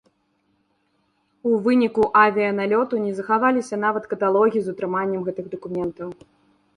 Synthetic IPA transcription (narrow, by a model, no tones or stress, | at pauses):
uvɨnʲikuʔavʲiɐnalʲɔt̪unʲɛzɐxavalʲisʲɐn̪avɐt̪kɐt̪alˠɔɣʲiizut̪ɾɨmanʲːɛmɣɛt̪ɨɣd̪ɐkumʲɛnt̪ɐw